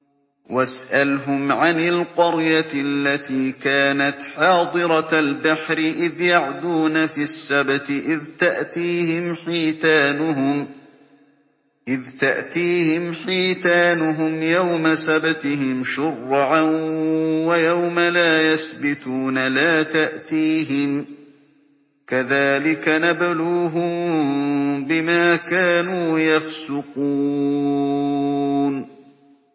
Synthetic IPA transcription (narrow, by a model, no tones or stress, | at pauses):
wasʔalɦʊmʕanɪlqɑɾjaalːat̪iːkaːnat̪ħɑːd̪ˤɨɾˤɑalbaħɾɪʔɪðjaʕd̪uːnafisːabat̪ɪʔɪðt̪aʔt̪iːhɪmħiːt̪aːnʊɦʊm | ʔɪðt̪aʔt̪iːhɪmħiːt̪aːnʊɦʊmjawmasabat̪ɪɦɪmʃʊrːʕanwajawmalaːjasbɪt̪uːnalaːt̪aʔt̪iːɦɪm | kaðaːlɪkanabaluːɦʊm | bɪmaːkaːnuːjafsʊquː | n